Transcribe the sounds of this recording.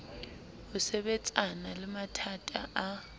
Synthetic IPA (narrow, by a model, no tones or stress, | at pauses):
ʊsɛɓɛt͡sʼanalɪmatʰatʼa̰ʔa